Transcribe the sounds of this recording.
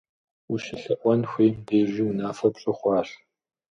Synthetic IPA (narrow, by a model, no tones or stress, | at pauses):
uʃɪɬɨʔʷɔnxʷeːdeːʒiwnaːfɐpɕʼɨχʷɑːɬ